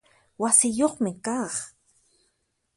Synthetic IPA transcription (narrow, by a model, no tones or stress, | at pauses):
wasɪjoχmɪkɑːχ